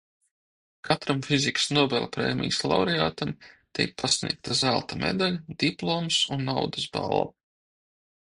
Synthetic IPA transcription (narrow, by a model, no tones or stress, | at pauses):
kʰat̪ɾamfiziksnɔɔbɛlʲˠpɾḛːmʲḭjslˠa̰wɾeaːt̪amt̪ʲḭjk̚pʰasnʲḭɛk̚t̪azælˠt̪amḛd̪alʲd̪̥iplˠomsunːawd̪əsba̰lˠa̰